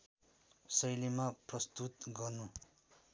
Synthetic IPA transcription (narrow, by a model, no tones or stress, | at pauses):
sʌjlimaprʌst̪ut̪ɡʌrnu